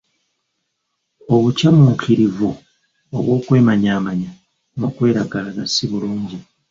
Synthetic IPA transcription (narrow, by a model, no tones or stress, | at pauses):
o̞βucamukʰiɾivu | o̰βwo̞ːkwe̞ːmaɲaːmaɲa | nokwe̞ːɾaɡalaɡasːiβuluːɲɟi